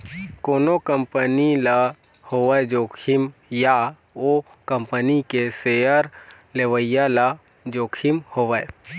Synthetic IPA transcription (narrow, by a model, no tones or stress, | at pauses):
koːnokəmpənila | hoʋəed͡ʒoːkʰimja | o | kə̃mpənikesejəɾ | leʋəjala | d͡ʒoːkʰimhoʋəe